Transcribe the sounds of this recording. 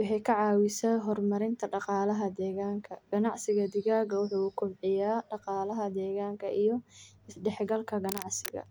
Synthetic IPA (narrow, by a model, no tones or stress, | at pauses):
wɑħɛjkʰɐʕɑːwɪsɐːɦɔrmɐɾɪnt̪ʰɐɖɑqɑːlɐɦɐd̪ɛːɣaːŋkʰɐɡ̥ɐnɑʕsɪɣɐd̪ɪɣaːɣɐwʊħuːʊkʰʊbʕɪjaːɖɑqɑːlɐɦɐd̪ɛːɣaːŋkʰɐʔijɔ | ɪsɖɛħɡɐlkʰɐɡɐnɑʕsɪɣɐ̰